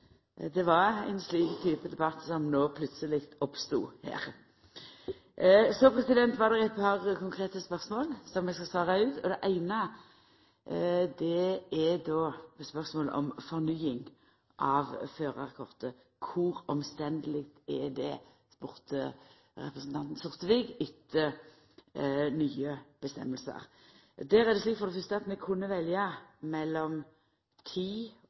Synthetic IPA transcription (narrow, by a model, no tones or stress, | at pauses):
d̪ɛʋɑɾæ̰ɪnsliːkt̪ʰyːpəd̪ɛbɑt̪ːsɔmnoːpʰlʉt̪səlɪkt̪ɔpst̪ṵːhæ̰ːɾ | sɔpʰɾɛsɪd̪ɛnt̪ʋɑʁd̪ɛʁæɪt̪̚pʰɑʁkʊŋkʰʁeːt̪əspœʁsmoːlsɔmːɛskɑst̪ɑːʁɑʉːt̪ʰɔd̪ɛʔæɪnə | d̪ɛɛd̪oːspœʁsmoːlə̰ʔɔ̰mfɔʁnyːɪŋ | ʔɑʋføːɾəʁɛkʰɔʁt̪ə | kʰʊɾɔmst̪ɛnd̪əlɪkt̪ɛd̪ɛ | spʊɾt̪ə̰ | ɾɛ̰pʁəsn̩t̪ɑnt̪n̩sʊʁt̪əʋiːɡʏt̪ːə | nyːəb̥əst̪ɛ̰mːəlsə̰ɾ | d̪æːɾæʁd̪ɛsliːk̪fɔɾd̪ɛfʏst̪əɑt̪mɛkʰʊnːəʋɛljɑmɛlːɔm | t̪ʰiː